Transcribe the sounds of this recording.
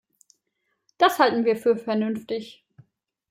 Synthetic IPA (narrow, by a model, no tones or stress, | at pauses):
d̥ashaltn̩viːɐfyːɐfɛɐnʏnftɪç